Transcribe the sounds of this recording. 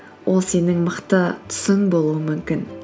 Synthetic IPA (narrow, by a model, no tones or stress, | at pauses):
wʔo̞lˠse̞nɪŋməqt̪ət̪ʰʊ̥sɪŋbo̞lˠuəmʏmkʲɪn